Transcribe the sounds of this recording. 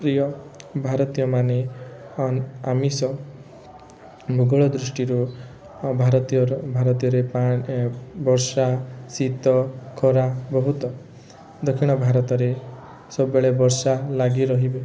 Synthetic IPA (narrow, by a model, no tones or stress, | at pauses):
pɾijɔbʱaɾɔt̪ijɔmane | amisɔ | bʱuɡɔɭɔd̪ɾusʈiɾu | bʱaɾɔt̪iɔɾbʱaɾɔt̪ijɔɾepa | bɔɾsasit̪ɔkʰɔɾabɔɦut̪ɔ | d̪ɔkʰiɽ̃ɔbʱaɾɔt̪ɔɾe | sɔbbeɭebɔɾsalaɡiɾɔɦibe